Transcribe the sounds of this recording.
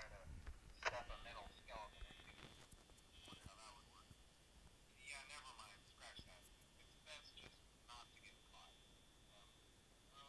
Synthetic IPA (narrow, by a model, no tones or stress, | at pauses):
aɪɾɨsɛpə˞mɪɾl̩ˠskɛlˠvɨ̃nɨ̥̃i | ɔɾʊðət̚wəd̚wɜ˞k̚ | jænɛvə˞mãɪ̃nd̥skɹæʃæt̚ | ɨtsðætsd̥ʒ̥ʌs | nətʰɨɡɛɾpʰl̥aɪd | ʌ̃m